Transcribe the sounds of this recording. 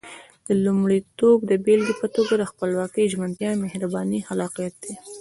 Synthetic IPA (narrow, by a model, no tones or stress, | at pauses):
d̪̥əlumɽit̪obd̪əbelɡipət̪oɡad̪əxpəlwɑkəjʒmant̪jɑmehɾabɑnihalɑqjat̪̚d̪̥e